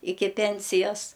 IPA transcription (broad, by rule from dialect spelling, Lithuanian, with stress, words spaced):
ˈɪkʲɪ ˈpʲɛnʲsʲɪjɛs